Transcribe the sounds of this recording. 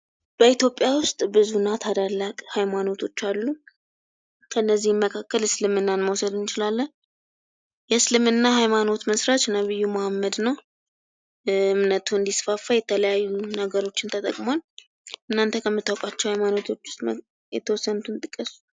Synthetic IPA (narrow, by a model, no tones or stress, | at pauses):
b̥əit̪jo̞pʼːjawʊst̪ʼbɨzunat̪ʰad̪alːakʼhajmano̞t̪ʰo̞t͡ʃːalːu | kʰəɨnːəzːihmməkʰakːəlɨslɨmɨnːanməwsəd̪ɨnɪt͡ʃɪlalːən | jɛslɨmɨnːaɦajmano̞t̪məsɾat͡ʃnəβɨjːumohamːəd̪nəw | ɨɨmnət̪ʰuɨnd̪isfafːajɛt̪ʰələjajːunəɡəɾo̞t͡ʃːɪnt̪ʰət̪ʼə̰kʼmon | ʔɨnːant̪ʰəkʰəmːɨt̪ːawkʼat͡ʃːɛwhajmano̞t̪ʰo̞t͡ʃːwʊ̥st̪ʼ | jɛ̰t̪ʰəwɔsːənut̪ʰɨnt̪ʼɨkʼːəsu̥